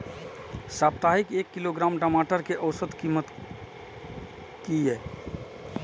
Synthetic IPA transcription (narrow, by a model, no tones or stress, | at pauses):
sapt̪aɦikekːiloɡɾamʈəmaʈəɾkeʔəʊsəd̪kimət̪ | kiɦɛː